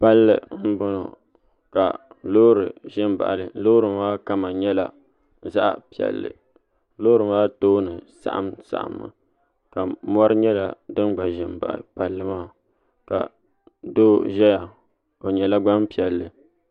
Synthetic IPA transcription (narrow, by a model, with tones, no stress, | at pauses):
pa˦lːɨ̰˨˦m̩˦bɔ˦nɔ̰˨ | ka̰˨ | lo˦ɾɨ˨ʒɪ˦mba̰˨ʔlɨ˨˦loː˦ɾɨ˨maː˦ka˦ma˨ɲɛ˦la̰˨ | za˦ʔpi˨ɛ̰˨lːɨ̰˨ | loː˦ɾɨ˨maː˦toː˦nɨ˨sa̰˨ʔa̰˦msa̰˨ʔa̰˨mːɨ̰˨ | ka˨mɔ˦ɾɨ˦ɲɛ˦la˨dɨ˦nɡ͡ba˨ʒɪ˨mba̰˨ʔpa˨lːɨ˦maː˦˨ | ka̰˨ | doː˦ʒɛ˦ja˨ | o˨ɲɛ˨la˦ɡ͡ba˦mpi˨ɛ˨lːɨ˨